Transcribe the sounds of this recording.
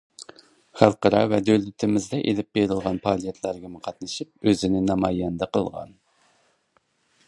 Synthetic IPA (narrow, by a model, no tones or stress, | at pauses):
χɑlˠqəɾɑvɛd̪ølyt̪ʰɪmɪzd̪ɛʔelɪp̚beɾɪlˠʁɑnpʰɑːlˠijɛt̪ʰlˠɑɾɡʲɛmʊqʰɑt̪nɨʃip̚øzɪnɪnɑmɑjɛnd̪ɑqʰəlˠʁɑ̰n